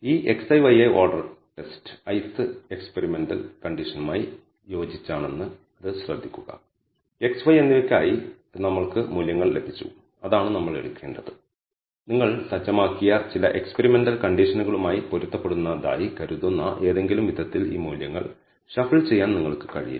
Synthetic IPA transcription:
iːʔe̞ksɐjʋɐjeʔoːɖɐrʈe̞stɨ̥ɐjsɨe̞kspeɾime̞nɖɐ̰lkɐɳɖiʂɐnumaːji | jo̞ːd͡ʑit͡ɕːaːɳe̞nːɨ | ɐðɨɕrɐd̪ʱːikʲːuɣɐ̰ | e̞ksʋɐjenːiɐkʲːa̰ːji | nɐmːɐɭkɨmuːljɐŋːɐɭle̞bʱit͡ɕːṵ | ɐðaːɳɨnɐmːɐɭḛɻukʲːe̞ːɳɖɐðɨ | niŋːɐɭsɐd͡ʑːɐmaːkːijɐt͡ɕilɐʔe̞kspeɾime̞nɖɐlkɐɳɖiʂɐnuɣɐɭumaːjipoɾut̪ːɐpːeɽunːɐða̰ːjikɐɾuðunːaʔe̞ːðe̞ŋɡilumʋid̪ʱɐt̪ːilḭːmuːljɐŋːɐ̰ɭ | ɕɐfiɭt͡ɕe̞jːaːnniŋːɐɭkɨ̥kɐ̰ɻḭjḭ

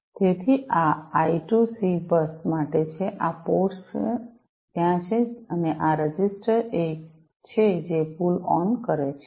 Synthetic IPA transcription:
t̪et̪ʰiʔaaiʈusibəsmaʈet͡ʃʰeʔapos | t̪jãt͡ʃʰeəneʔaɾəd͡ʒisʈəɾe | t͡ʃʰed͡ʒepulɔnkəɾet͡ʃʰe̥

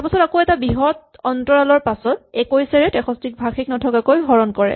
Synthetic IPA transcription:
apasɔtakoɛtabiɦɔt | ɔntɔɹalɔɹpasɔt̚ɛkojsɛɹɛtɛxʰɔstik̚bʱaxʰik̚nɔtʰɔkakojɦɔɹɔnkɔɹɛ̰

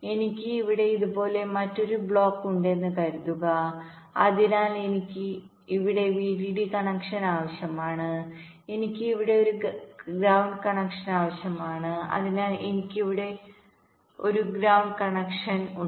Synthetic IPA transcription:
e̞nikʲːɨiʋiɽe̞iðubo̞ːle̞mɐtːo̞ɾubɭo̞ːkːuɳɖe̞nːɨkɐɾuðuɣɐ | ɐðinaːle̞nikʲːɨ | iʋiɽe̞ʋiːɖiɽikɐɳɐkʂɐnaːʋɐɕjɐmaːɳɨ | e̞nikʲːɨiʋiɽe̞o̞ɾuɡɾɐwɳɖkɐɳɐkʂɐnaːʋɐɕjɐmaːɳɨɐ̰ðinaːle̞nikʲːiʋiɽe̞ | o̞̰ɾuɡɾɐwɳɖkɐɳɐkʂɐnu

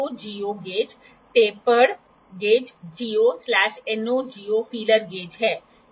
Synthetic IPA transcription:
od͡ʒioɡed͡ʒ | t̪epəɽ | ɡed͡ʒd͡ʒioslaʃenod͡ʒiofiləɾɡed͡ʒɦe

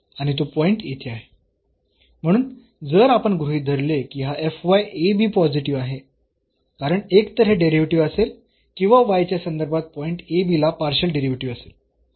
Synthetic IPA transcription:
aɽ̃it̪opɔiɳʈjet̪ʰiaɦe | m̤əɽ̃uːn | d͡zəɾapəɳɡɾuɦiːd̪ʱəɾlekiːɦaʔefʋajebʱiːpɔd͡ziʈiʋaɦe | kaɾəɳekt̪əɾɦẽɖeɾiʋʈiʋəsel | kĩw̃ʋaʋajt͡ɕjasənd̪əɾbʱat̪̚pɔiɳʈebilapaɾɕəlɖeɾiʋʈiʋəsel

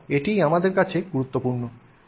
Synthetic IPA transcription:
eʈijamad̪eɾkat͡ɕʰeɡuɾut̪ːopuɾno

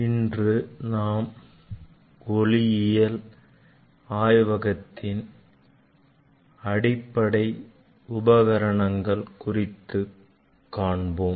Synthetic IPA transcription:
ɪndrɯnaːm | ɡɔlɪjɪjɐl | aːjʋɐɣɐt̪ːɪn | ɐɽɪpːɐɽɐɪ | ʊbɐɣɐɾɐɳɐŋɡɐɭkʊrɪt̪ːɯ | kːaːɳboː

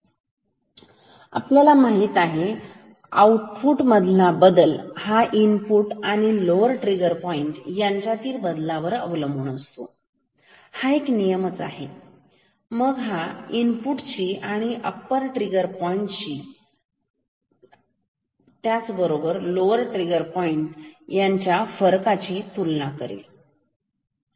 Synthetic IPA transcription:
a̰pljalamaɦiːt̪aɦe | a̰uʈfuʈməd̪ʱlabəd̪əlhaʔinpuʈaɽ̃iloʋəɾʈɾiɡəɾpɔiɳʈjaɲt͡ɕjat̪iːɾbəd̪laʋəɾəʋləmbʱuːɳəst̪o̰ | haeknijəmət͡sa̰ɦe | məɡɦainpuʈt͡ɕiːʔaɽ̃iʔəpːəɾʈɾiɡəɾpɔiɳʈt͡ɕiː | t̪jat͡sbəɾobəɾloʋəɾʈɾiɡəɾpɔiɳʈjaɲt͡ɕjafəɾkat͡ɕiːt̪ulnakəɾḛl

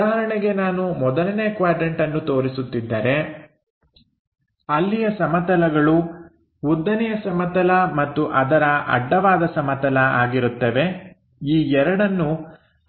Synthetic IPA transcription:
aːɦɐɾɐɳɛɡe̞naːnumɔd̪ɐlɐneːkʋaːɖɾeɳʈɐnːut̪o̞ːɾisut̪ːid̪ːɐɾe̞ | ɐlːijɐsɐmɐt̪ɐlɐɡɐɭu | ud̪ːɐnɛjɐsɐmɐt̪ɐlɐmɐt̪ːuʔɐd̪ɐɾɐʔɐ̰ɖːɐʋaːd̪ɐsɐmɐt̪ɐlɐaːɡiɾut̪ːeʋe̞ | iːɛɾɐɽɐnːu

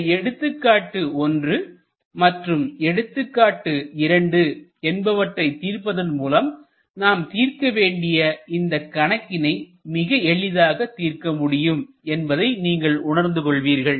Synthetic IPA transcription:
ɛɽɯt̪ːɯkːaːʈːɯɔndrɯ | mɐʈrɯmɛɽɯt̪ːɯkːaːʈːɯɪɾɐɳɖɯɛnbɐʋɐʈrɐɪt̪iːrpɐðɐnmuːlɐm | naːmt̪iːrkɐʋeːɳɖɪjɐɪnd̪ɐkːɐɳɐkːɪnɐɪmɪɣɐɛɭɪðaːɣɐt̪ːiːɾkɐmʊɽɪjɯm | ɛnbɐðɐɪniːŋɡɐɭʊɳɐɾnd̪ɯkɔɭʋiːɾɣɐɭ

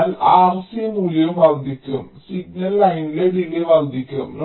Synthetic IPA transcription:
laːrsimulɐjumʋɐrd̪ʱikʲːɐɣɐ̰msiɡnɐlːɐjnileɖileʋɐrd̪ʱikʲːɐɣɐ̰mn

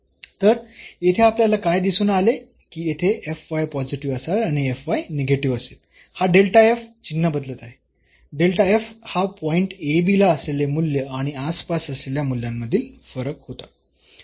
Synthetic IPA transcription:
t̪əɾet̪ʰeapljalakajd̪isuːnale | kiːjet̪ʰeʔefʋajpɔd͡ʑiʈiʋəsaaɽ̃iefʋajneɡʱeʈiʋəset̪ | haɖelʈaeft͡ɕinːabəd̪lət̪aɦe | ɖelʈaefhapɔiɳʈebilaəslelemulːeaɽ̃iaspasəsleljamulːjamːəd̪ʱiːlfəɾəkhot̪a

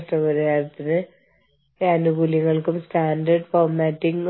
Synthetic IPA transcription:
ʂʈːɐmɐɾaːjrt̪ːinɨ | ɐnuɡuliɐŋːɐɭkumsʈaːndɐrɖfoːrmaːʈːiŋɡ

